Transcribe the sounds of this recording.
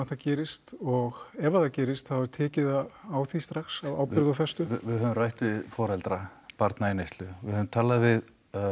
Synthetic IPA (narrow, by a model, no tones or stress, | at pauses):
θacɛːɾɪst̪ɔɣɛvaθacɛːɾɪst̪θaðvaɾ̥t̪ʰɛːcɪðaaːwθist̪ɾaxsava̰ːwpɪɾðafɛst̪ʏvɪðɦœːvʏmrajht̪vɪðfɔːɾɛlt̪ɾapaɾt̪naenejst̪lʏvɪhœvʏmt̪ʰaːlaðvɪð